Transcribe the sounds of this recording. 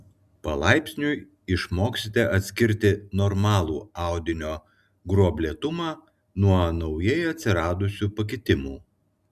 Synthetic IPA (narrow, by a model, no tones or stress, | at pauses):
pɐlˠɑˑɪpʲsʲnʲu | ɪʃmoːksʲɪt̪ʲɛʔɐt̪ʲsʲkʲɪɾʲt̪ʲɪnɔɾmɑːlˠuːɑˑʊd̪ʲɪnʲoː | ɡɾuɔbʲlʲeɛt̪ʊmɑː | nuɔnɔʊjɛjɐt̪ʲsʲɪɾɑːd̪ʊsʲuːpɐk̬ʲɪt̪ʲɪmṵː